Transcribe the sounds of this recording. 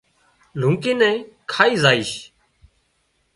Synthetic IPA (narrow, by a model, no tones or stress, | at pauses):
l̤ũːkeːnɛ̃ː | kʰaːiːzaːiːʃ